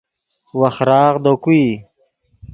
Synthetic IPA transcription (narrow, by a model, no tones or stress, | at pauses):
waxɾɑːʁd̪okui